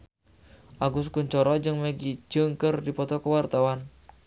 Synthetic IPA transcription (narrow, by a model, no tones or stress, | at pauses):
ʔaɡʊskuɲt͡ʃɔɾɔd͡ʒɨŋməɡit͡ʃəŋkərdipɔt̪ɔkəwart̪awan